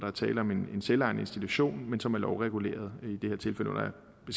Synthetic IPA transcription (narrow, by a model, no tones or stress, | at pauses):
d̥ɑ̈æɐt͡sʰɛːləɒ̽me̝ne̝nselɑ̈ɪ̰nəe̝nsd̥it͡sʰuɕo̝̰ːnmensɒ̽mælɒʊʁɛɡ̥ule̝̰ːɐð̞̩ˠid̥e̝heɐt͡sʰe̝lfeləo̰nɐjɑ | b̥e̝s